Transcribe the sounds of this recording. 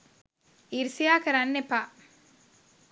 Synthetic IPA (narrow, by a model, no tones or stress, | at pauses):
iɾsijaːkɐɾanːepːa